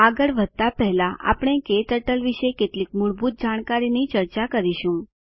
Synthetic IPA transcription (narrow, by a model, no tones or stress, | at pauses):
aɡəɭʋəd̪̚t̪apɛɦlaʔa̰pɳ̃eket̪əʈəlʋiʃekeʈlikmuɭbʱut̪̚d͡ʒaɽ̃kaɾinit͡ʃəɾt͡ʃakəɾiʃũ